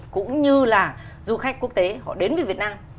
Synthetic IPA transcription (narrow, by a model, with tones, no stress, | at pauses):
kʊ̰˧˥ŋ͡mɲɨ˧laː˨˩ | zu˧xa˦˥jk̟̚ku˦˥ək̚t̪e˨˦hɔ̰˧˨ɗe˨˦nvəː˨˦vi˨˩ət̚naː˧m